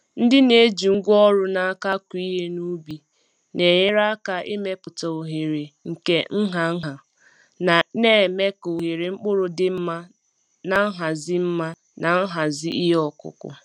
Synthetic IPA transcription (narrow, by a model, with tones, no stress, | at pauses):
n̩˦dɪ˦ne˦d͡ʒi˨ŋ̩˦ɡʷɔ˦ɾʊ˦na˨a˦ka˦ku˨˦i˦ɦe˦nu˦bi˨ | ne˨ɲe˦ɾa˦ka˦ʔe˦me˦pʊ˨ta˨o˨ɦe˨ɾe˨ŋ̩˨ke˦ŋ̩˦ɦa˨˦ɦa˨ | na˨ne˦˨me˦ko˨ɦe˨ɾe˨ŋ͡m̩˦k͡pʊ˦ɾʊ˨dɪ˦m̩˦ma˦ | na˨˦ɦa˨zɪ˦m̩˦ma˦ | na˨ŋ̩˦ɦa˨zɪ˦ʔi˦ɦe˦ɔ˦kʊ̰˨kʊ̰˨